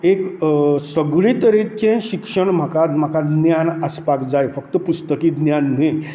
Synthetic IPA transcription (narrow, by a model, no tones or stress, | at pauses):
eksəɡɭit̪əɾit͡ɕẽɕikʂəɳm̤akad̪m̤akad̪njanəspakd͡zajfəkt̪əpust̪əkiːd̪njanːe